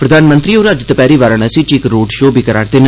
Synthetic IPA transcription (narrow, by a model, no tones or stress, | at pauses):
pɾəd̪aːnmə̃nt̪ɾiːoːɾəd͡ʒt̪əpɛːɾiːʋaːɾəɳəsĩt͡ʃɪkɾoːɖʃoːbiːkəɾaːɽt̪eːn